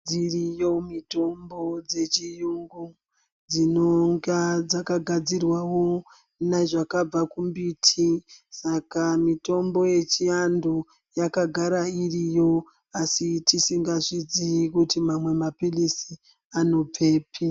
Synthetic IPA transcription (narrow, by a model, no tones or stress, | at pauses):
d͡zirijo̞mito̞mbo̞d͡ze̞t͡ʃijuŋɡu | d͡zinoŋɡad͡zakaɡʱad͡zirwawo̞ | naʐakab͡vakumbitʰisakamito̞mbo̞je̞t͡ʃiandu | jakaɡʱaɾairijo̞ | asitisiŋɡaʐid͡zikutimamwe̞mapilisi | ano̞peːpʰi